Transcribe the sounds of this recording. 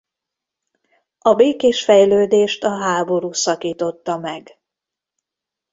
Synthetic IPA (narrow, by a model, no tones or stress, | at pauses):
ɒbeːkeːʃfɛjløːd̪eːʃt̪ɒɦaːbo̞ɾuːsɒkiːt̪o̞t̪ːɒmɛɡ